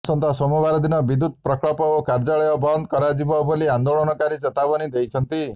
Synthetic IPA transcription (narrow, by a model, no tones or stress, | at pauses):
sɔnt̪ʰasɔmubaɾɔd̪inɔbid̪ud̪̚pɾɔkɭɔpɔokaɾd͡ʒaɭɔjɔbɔnd̪kɔɾad͡ʒibɔbɔliand̪oɭɔnɔkaɾit͡ʃɔt̪abɔnid̪ejt͡ʃʰɔnt̪i